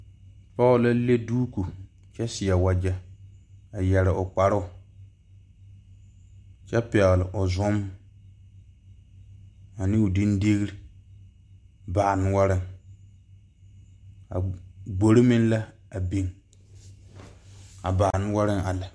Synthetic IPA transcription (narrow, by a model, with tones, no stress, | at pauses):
pɔ˦ʊ˦la˦le˦duː˦ku˨ | t͡ʃɛ˦sɪ˨ja˨wa˨d͡ʒɛ˦ | a˨jɛ˨ɾɪ˨ʔʊ˨k͡pa˨ɾʊ˦ʊ˨ | t͡ʃɛ˦pɛ˨ɣlɪ˨ʔʊ˨zʊ˦m | a˨nɪ˦ʊ˨di˦nde˦ɣi˦ɾi˦ | baː˨n˦wa˦ɾɪ˦ŋ | a̰˨ɡ͡bo˨ɾɪ˦mɪ˦nla˦ | a˨bi˦ŋ | a˨ba˨n˦wa˦ɾɪ˦ŋa˨la˨